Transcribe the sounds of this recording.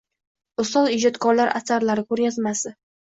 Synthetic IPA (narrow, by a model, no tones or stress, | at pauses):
ʊst̪ɒlˠɪd͡ʒɒt̪kʰɒɾlaɾʔa̰saɾlaɾɪkʰɵɾjʲazmasɪ